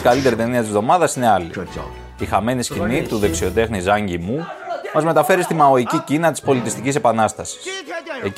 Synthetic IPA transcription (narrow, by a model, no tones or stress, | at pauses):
kɐlit̪e̞ɾit̪e̞niɐt̪izvðo̞mɐðɐsine̞ɐlḭ | ixɐme̞niscinit̪uðe̞ksio̞t̪e̞xnizɐɲɟimumɐzme̞t̪ɐfe̞ɾist̪imɐo̞icicinɐt̪ispo̞lit̪ist̪icise̞pɐnɐst̪ɐsi̥se̞